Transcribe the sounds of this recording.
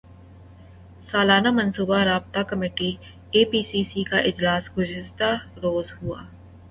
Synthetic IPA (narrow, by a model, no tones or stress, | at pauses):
saːlaːnamɐnsuːbaɾaːb̚t̪akɐmeːʈi | eːpiːsiːsikaʔɪd͡ʒlaːsɡʊzɪst̪aɾoːzɦua̰ː